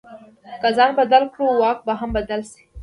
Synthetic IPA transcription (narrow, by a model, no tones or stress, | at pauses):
kazɑːnbɐd̪alkɽuwɑːk̚baɦɐmbɐd̪alse̥